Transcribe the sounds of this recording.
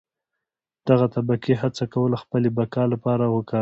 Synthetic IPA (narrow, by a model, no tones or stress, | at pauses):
d̪̥aɣat̪abakeɦat͡sakawəlaxpəlebakɑlapɑɾawəkɑ